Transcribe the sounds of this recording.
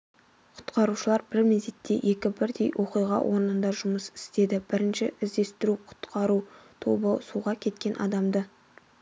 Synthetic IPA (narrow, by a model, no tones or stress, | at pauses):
qʰʊ̥t̪qɑɾuʃəlˠɑɾbɪɾmezd̪et̪ːe̞jʔe̞kʲɪbɪɾd̪e̞jwʔo̞qijʁɑ̰wʔo̞ɾnənd̪ɑʒʊməsɪ̥st̪e̞d̪ɪb̥ɪɾɪnʃɪɪzd̪e̞st̪ɪɾuqʰʊ̥t̪qʰɑɾut̪ʰo̞bəsuʁɑkʲʰe̞t̪kʲe̞nʔɑ̰d̪ɑmd̪ə